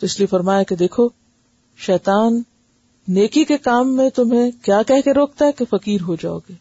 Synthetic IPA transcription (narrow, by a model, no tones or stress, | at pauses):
t̪oɪsliefɐɾmaːjaked̪eːkʰo | ʃɛːt̪aːnː | eːkikekaːmːẽt̪ʊmɦẽkjaːkɛɦkeɾoːk̚t̪aɦɛkefɐkiːɾɦod͡ʒa̰ːo̰ːɡeː